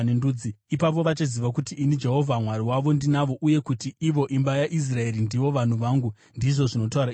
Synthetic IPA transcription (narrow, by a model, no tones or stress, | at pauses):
nenduːd͡ziipap̬o̞ʋat͡ʃaziʋak̬utiːnid͡ʒe̞ɦo̞vʱamwaɾiwaʋo̞ndinaʋo̞ʔuje̞kutiʔiʋo̞ʔimbajaʔis̬rae̞ɾindiʋo̞ʋan̤uʋaːŋɡu | ndiʐo̞ʐino̞tauɾa